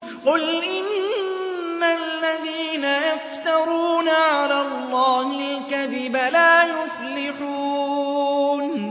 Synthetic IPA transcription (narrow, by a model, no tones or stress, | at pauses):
qʊlʔɪnː | alːaðiːnajaft̪ɑɾˤuːnʕaalaːlˤːɑːhɪlkaðɪbalaːjʊflɪħu | n